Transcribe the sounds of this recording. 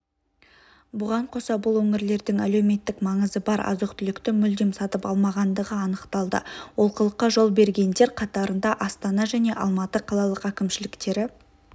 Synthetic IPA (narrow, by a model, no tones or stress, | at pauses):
bʊʁɑɴqʰo̞sɑbʊlˠwɵŋɪɾle̞ɾd̪ɪŋæ̰lewme̞t̪ːɪkmɑɴəzəbɑɾɑ̰zuqt̪ʰʏlɪkt̪ɪmʏld̪emsɑt̪əpɑlˠmɑʁɑnd̪əʁəɑnəqt̪ɑlˠd̪ə̰wo̞lˠqʰəlˠəqːɑʒo̞lˠbe̞ɾɡʲe̞nd̪e̞ɾqʰɑt̪ɑɾənd̪ɑʔɑst̪ɑnɑʒæne̞ʔɑlˠmɑt̪əqʰɑlˠɑlˠəqækʲɪmʃɪlɪkt̪e̞ɾɪ